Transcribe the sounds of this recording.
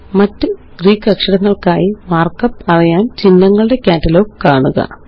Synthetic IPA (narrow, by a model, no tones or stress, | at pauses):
mɐtːɨ | ɡ̥riːkːɐkʂɐɽɐŋːɐɭkaːjiʋaːrkɐpːɐrijaːnt͡ɕinːɐŋːɐɭɨɽe̞kʲaːtːɐlo̞ːkkaːɳuɣɐ̰